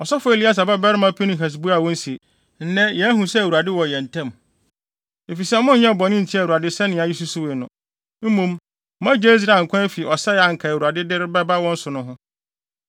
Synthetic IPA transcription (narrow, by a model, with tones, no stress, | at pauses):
ɔ˨sɔ˦fʊ˦e˨li˦a˦˨s̬a˨bɛ˦ba˦ɾɪ˦mã˦pʰe˦nĩ˨ɦɛ˨s̬bu˦a˨wɔ̃˦n˦si˨e˨ | n̩˦nɛ̃˦jɛ˨æ˦ɦũ˨sɛ˦æ˨wu˨a˨dɪ˦wɔ̃˨jɛ̃˨n̩˨tʰɛ̃˦m | e˨fi˨sɛ˦mʊ̃˦n̩˦ɲɛ̃˦˨bɔ˨nɪ̃˦n̩˨tʰi˦a˨u˨a˨dɪ˦sɛ˦nɪ̃˨a˨ji˦s̬u˦su˦we˨nʊ̃˨ | m̩˦mũ˦m | mã˦d͡ʑe˦s̬ɾa˨ŋ̩˨kʰʷã˦e˦fi˨ʔɔ˨sɛ˦ja˨ŋ̩˨kʰa˨wu˨a˨dɪ˦dɪ˦ɾɪ˦bɛ˦ba˦wɔ̃˦n̩˦sʊ˨nʊ̃˦ɦʊ̃˦